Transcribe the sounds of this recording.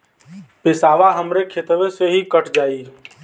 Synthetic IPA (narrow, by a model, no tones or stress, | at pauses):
pɪsaːʋaɦəmɾekʰet̪ʋeseɦikəʈʰd͡ʒaːi